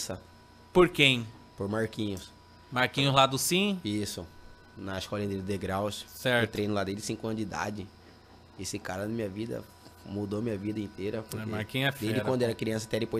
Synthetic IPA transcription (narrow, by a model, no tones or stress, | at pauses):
sɐ | poɾkẽj̃poɾmaɾkĩɲʊs | maɾkĩɲʊzlad̪ʊsĩisʊ | nɐɪskɔlɐĩt̪eɾʊd̪eɡɾawssɛɾt̪ɾejnʊlad̪elɪsĩkʊɐ̃nd͡ʒid̪a̰d͡ʒɪ | esɪkaɾɐnɐmĩɲɐvid̪ɐ̰ | mud̪omĩɲɐvid̪ɐĩnt̪eɾɐpɾkemaɾkĩɲɛfd̪eʒd͡ʒɪkwɐ̃nd̪ʊɛɾɐkɾiɐ̃sɐt̪ɛd̪epoj